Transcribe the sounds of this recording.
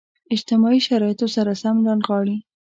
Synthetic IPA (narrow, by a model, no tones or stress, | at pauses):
ɪd͡ʒt̪ɪmɑiʃaɾɑjɪt̪osaɾasamland̪ɣɑɽi